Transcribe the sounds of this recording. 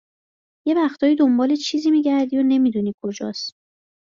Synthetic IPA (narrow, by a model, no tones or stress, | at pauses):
je̞væxt̪ʰɒːiːd̪o̞mbɒːlet͡ʃʰiːziːmiːɟæɾd̪iːjone̞miːd̪uːniːkʰo̞d͡ʒɒ̰ːs